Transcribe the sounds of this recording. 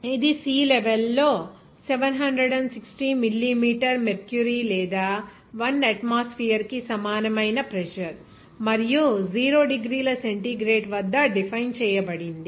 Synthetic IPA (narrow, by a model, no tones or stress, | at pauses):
id̪isiːleʋelːo̞ː | seʋɐnɦɐnɖɾeɖɐɳɖsiksʈimilːimiːʈɐɾmeɾkjuɾilɛːd̪aː | ʋɐnɐʈmaːspiːɐɾkisɐmaːnɐmɐjnɐpɾɛʃɐɾ | mɐɾijud͡ʒiːɾoːɖiɡɾiːlɐseɳʈiɡɾeːɖʋɐd̪ːɐɖipʰɐjnt͡ʃɛːjɐbɐɽind̪i